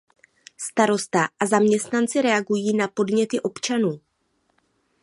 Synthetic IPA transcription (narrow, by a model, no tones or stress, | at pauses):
st̪aɾo̞st̪aʔazamɲɛst̪nant͡sɪɾɛaɡujiːnapo̞dɲɛt̪ɪʔo̞pt͡ʃanuː